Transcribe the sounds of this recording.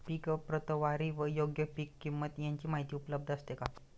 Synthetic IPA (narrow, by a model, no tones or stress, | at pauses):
pikəpːɾət̪əʋaɾiːʋəjoɡjəpikːimːət̪jaɲt͡ɕiːmaɦit̪iːupələb̚d̪ʱəst̪eka